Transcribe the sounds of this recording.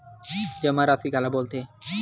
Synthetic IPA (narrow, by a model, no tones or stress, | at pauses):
d͡ʑəmaɾasikalabolt̪e